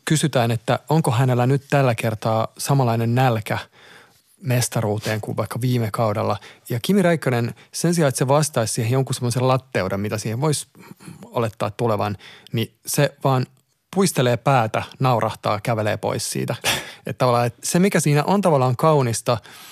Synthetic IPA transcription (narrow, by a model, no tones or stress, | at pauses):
kysyt̪æːnet̪ːæoŋkohænelːænyt̪t̪ælːækert̪ɑːsɑmɑlɑinennælkæ | mest̪ɑruːt̪eːŋkuʋʋɑ̰ikːɑʋiːmekɑudḛlːɑjɑkimirɑikːɑnensensiɑːet̪seʋɑst̪ɑissiːhejoŋkusemːoselɑt̪ːeudemmit̪æsiːheʋʋois | olet̪ːɑ̰ːt̪t̪uleʋɑ̰nniseʋɑːn | puist̪eleːpæːt̪ænɑurʔɑht̪ɑ̰ːkæʋelḛːpo̰issḭːt̪æet̪t̪ɑʋɑlːɑːet̪semikæsiːnæ̰ʔont̪ɑʋɑlːɑːŋkɑunist̪ɑ